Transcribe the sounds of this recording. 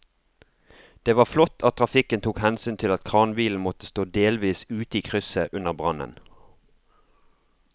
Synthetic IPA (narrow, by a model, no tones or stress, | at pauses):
d̪̥eːʋɑːflɔt̪ʰɑt̪̚ʰʁɑfɪkənt̪ʰuːkhɛnsyːnt̪ʰɪlɑt̪kʰʁɑːnbiːln̩mɔt̪əst̪oːd̪eːlʋiːsʉːt̪iːkʰʁʏsəʔʉnəʁbʁɑnə̰n